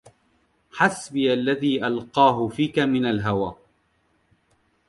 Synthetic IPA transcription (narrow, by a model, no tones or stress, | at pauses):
ħasbɪjalːaðiːʔalqɑːɦʊfiːkamɪnalɦawaː